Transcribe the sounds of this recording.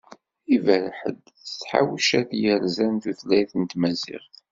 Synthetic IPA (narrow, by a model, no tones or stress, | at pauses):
ivælħə̰d̪ | t͡sːħa̰wʃæθjəɾzænθuθlæjθənt̪mæzɪ̰ʁθ